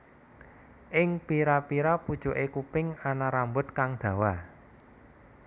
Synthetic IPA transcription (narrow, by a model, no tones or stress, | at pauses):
ʔɪŋpiɾapiɾapud̥ʒ̥o̤ʔekupɪŋanaɾambʊt̪̚kaŋd̪̥ä̤wa